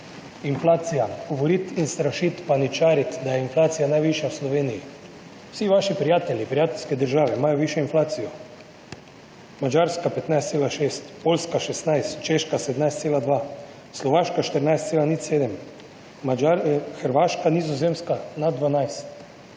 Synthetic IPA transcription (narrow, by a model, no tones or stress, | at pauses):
inflaːt̪sijaɡ̥ɔʋɔɾiːt̪inst̪ɾaʃit̪panit͡ʃaːɾit̪d̪ajɛinflaːt̪sijanajʋiʃjawslɔʋeːniji | w̥siʋaʃipɾijaːt̪ɛljipɾijaːt̪ɛlʲskɛd̪əɾʒaːʋɛimaːjɔʋiːʃjɔinflaːt̪sijɔ | mad͡ʒaɾskapɛt̪najst̪seːlaʃeːst̪poːlskaʃɛst̪najst̪t͡ʃeːʃkased̪najst̪seːlad̪ʋa | slɔʋaːʃkaʃt̪əɾnajst̪seːlanit̪seːd̪əmː | aaxəɾʋaːʃkanizɔzeːmskanad̪ʋanajst̪